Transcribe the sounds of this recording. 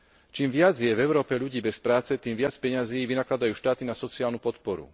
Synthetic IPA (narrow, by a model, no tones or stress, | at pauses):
t͡ʃiːmʋɪad͡zjɛvɛʊɾɔːpɛʎuɟiːbɛspɾaːt͡sɛt̪iːmʋɪat͡spɛɲaziːʋinaklad̪ajuːʃt̪aːt̪inasɔt͡siaːlnupɔt̪pɔɾṵ